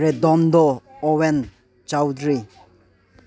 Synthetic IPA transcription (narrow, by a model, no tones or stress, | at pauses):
ɾed̪ɔnd̪ɔːwen | t͡ʃawd̪ɾi